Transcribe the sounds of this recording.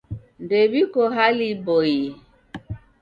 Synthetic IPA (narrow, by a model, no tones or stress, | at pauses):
ndebikoɦaliboji